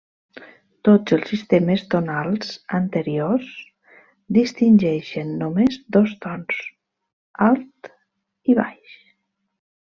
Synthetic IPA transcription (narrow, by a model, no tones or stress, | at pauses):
t̪od͡zəlˠsist̪eməzd̪onalˠzənt̪əɾios | d̪ist̪inʲʒɛʃənːomezd̪ɔzt̪ɔns | alˠt̪ | iβa̰jʃ